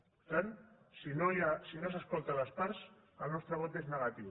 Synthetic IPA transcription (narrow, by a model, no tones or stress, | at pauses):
pɾt̪an | sinojasinos̬askolˠt̪alaspaɾs | əlnɔst̪ɾaβ̞ot̪eznəɣat̪iw